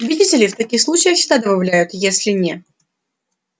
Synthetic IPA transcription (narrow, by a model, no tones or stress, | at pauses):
ʊbʲɪdʲitʲɪlʲɪft̪ɐkʲixslˠut͡ɕɪjəxʲt̪ad̪əbɐvlʲæjʊt̪jesʲlʲɪnʲe